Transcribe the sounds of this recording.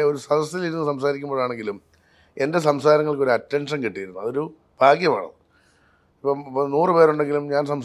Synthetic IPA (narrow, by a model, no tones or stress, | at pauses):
o̞ɾusɐd̪ɐsiliɾunːusɐmsaːɾikʲːumboːɭaːɳe̞ŋɡilum | e̞nde̞s̬ɐmsaːɾɐŋːɐɭko̞ɾuɐtːe̞ɳʂɐnkiʈːijɾunːuɐðo̞ɾu | b̥ʱaːkjɐma̰ːɳɐ̰ðɨ | ipːopːnuːrɨpe̞ːɾuɳɖe̞ŋɡilumɲaːnsɐms